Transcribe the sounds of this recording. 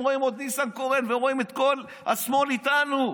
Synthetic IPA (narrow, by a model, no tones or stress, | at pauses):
ʁoimod̪nisankoʁenveʁoimet̪ko̞l | a̰smo̞lit̪anu